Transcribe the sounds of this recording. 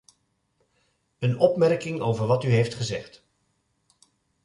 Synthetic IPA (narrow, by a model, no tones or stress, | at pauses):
ənɔpmɛrkɪŋowvəɹʋɑtyɦejftχəzɛχt